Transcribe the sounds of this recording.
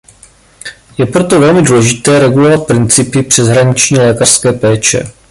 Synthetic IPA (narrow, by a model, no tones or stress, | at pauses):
jɛpɾo̞t̪o̞vɛlmɪduːlɛʒɪt̪ɛːɾɛɡulo̞vat̪̚pɾɪnt͡sɪpɪpr̝̥ɛzɦɾaɲɪt͡ʃɲiːlɛːkar̥skɛːpɛːt͡ʃɛ̰